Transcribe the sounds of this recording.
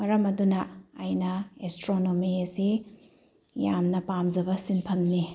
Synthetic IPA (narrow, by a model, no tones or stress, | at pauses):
mɐɾɐmɐdunɐːjnɐestɾonomiɐsi | jamnɐpamzɐbɐsinpʰɐmni